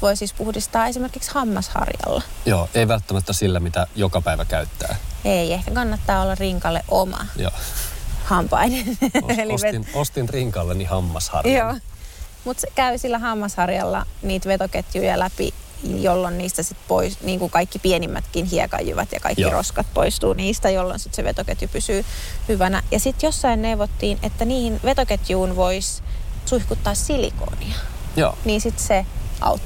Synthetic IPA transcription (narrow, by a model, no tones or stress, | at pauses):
ʋoisispuhdist̪ɑːesimerkikshɑmːɑshɑ̰rjɑ̰lːɑjoːʔeiʋælt̪ːæmæt̪ːæsilːæmit̪æjokɑpæiʋækæyt̪ːæ̰ːeiehkækɑnːɑt̪ːɑːolːɑrriŋkɑlːḛʔʔomɑ̰joːhɑmpɑ̰ineneliʋetnost̪inriŋkɑlːenihɑmːɑshɑ̰rjoːmut̪sekæysilːæhɑmːɑshɑrjɑlːɑ̰niːt̪ʋet̪oket̪jujɑ̰læpḭjolːonniːst̪æsit̪po̰isniːŋkukɑikːipienimːæ̰t̪kinhiɛ̰kɑ̰jːḭʋɑ̰t̪jɑ̰kɑ̰ikːiro̰skɑt̪̚po̰ist̪uːniːst̪æjolːo̰nsit̪seʋḛt̪oket̪jupysyːhyʋænæ̰jɑsit̪josːɑinneuʋot̪ːiːnḛt̪ːæniːhinʋet̪oket̪juːnʋoissuihkut̪ːɑːssilḭko̰ːniɑ | o̰ːniːnsit̪seʔɑ̰ut̪ː